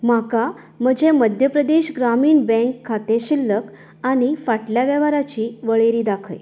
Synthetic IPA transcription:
m̤aka | m̤əd͡ʑʱeməd̪ʱjəpɾəd̪eɕɡɾamiːɳbɛ̃ŋkʰːat̪eɕilːək | añifaʈljaʋjəʋaɾat͡ɕiːʋəɭeɾiːd̪akʰə̰j

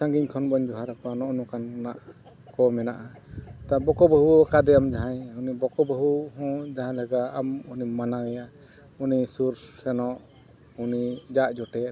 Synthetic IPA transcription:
ãŋɡiɲkʰɔnbɔɲd͡ʒɔɦaɾapanɔʔnukannaʔ | kɔmɛnaʔat̪abɔkɔbəɦuɔkad̪ɛamd͡ʒaɦãjunibɔkɔbaɦuhɔ̃d͡ʒaɦãlaɡaamunimanawɛja | unisuɾsɛnɔʔ | unid͡ʒaʔd͡ʒɔʈɛ

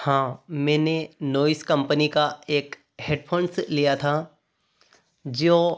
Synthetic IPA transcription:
hãːmɛ̃ːnenoːɪskɐ̃mpənikaeːk | heːɖpʰoːnslijat̪ʰa | d͡ʒoː

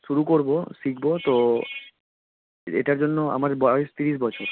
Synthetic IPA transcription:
ʃuɾukoɾbosikʰbot̪o | ḛʈaɾd͡ʑonːoa̰maɾbajst̪iɾiʃ̬bɔt͡ɕʰoɾ

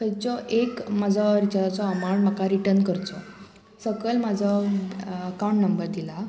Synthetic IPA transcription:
kʰəjt͡sɔʔekmad͡zʱɔɾit͡ɕalat͡sɔamaɳm̤akaɾiʈəɾnkəɾt͡sɔ | səɡəlmad͡zʱɔ | əkawũɳʈnəmbəɾd̪ila

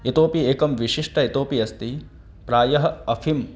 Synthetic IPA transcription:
it̪oːpieːkɐmʋiʃiʂʈɐit̪oːpiɐst̪i | pɾaːjɐɦɐɐfʰim

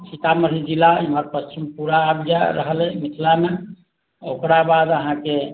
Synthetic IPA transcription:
sit̪abməɾid͡ʒilaiməɾpəst͡ʃʰimpuɾaːbjaɾəɦəlɛmit̪ʰlame | okɾabad̪əɦãke

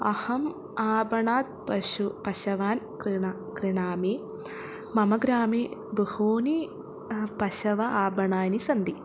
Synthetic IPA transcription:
ɐhɐm | aːbɐɳaːd̪̚pɐʃupɐʃɐʋaːnkɾiɳa | kɾiɳaːme | mɐmɐɡɾaːmebuhoːni | pɐʃɐʋɐaːbɐɳaːnisɐnd̪i

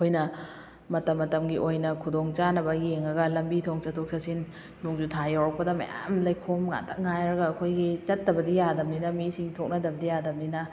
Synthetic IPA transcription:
kʰojnɐ | mɐtɐmːɐtɐmɡiʔojnɐkʰudoŋt͡ʃanɐbɐjeŋɐɡɐlɐmbitʰoŋt͡ʃɐtʰok̚sʰɐsin | nuŋd͡ʒutʰajawɾɐk̚pɐdɐmɐ̰ja̰mlɐjkʰomŋa̰tʰɐk̚ŋajɾɐɡɐːkʰojɡit͡ʃɐtːɐbɐdijadɐmninɐmisiŋtʰok̚nɐdɐbɐdijadɐmninɐ

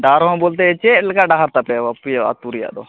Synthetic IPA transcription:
ɖaɾɦɔ̃bolt̪̬ɛɛt͡ʃɛlɛkaɖaɦaɾt̪apɛapijaa̰t̪uɾija̰ʔd̪ɔ

